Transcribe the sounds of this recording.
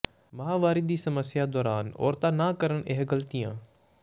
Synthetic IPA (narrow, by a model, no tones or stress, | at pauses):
mɐɦaːʋaːɾɪd̪iːsɐməsjad̪oːɾaːnɔ̰ːɾt̪aːnakəɾəɳʔeɦɡəlt̪ijã̰ː